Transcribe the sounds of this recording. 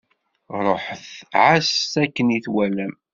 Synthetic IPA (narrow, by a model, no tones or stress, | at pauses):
ɾˤoħθʕasækːəniθwælæm